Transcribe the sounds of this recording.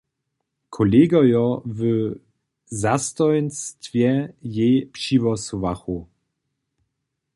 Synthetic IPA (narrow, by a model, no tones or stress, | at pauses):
kʰɔleːɡajɔvə | zastɔjnstvjɛjepʃivɔsuvaxu